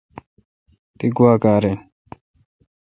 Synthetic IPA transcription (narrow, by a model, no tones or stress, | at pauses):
t̪iɡuaːkaːɾe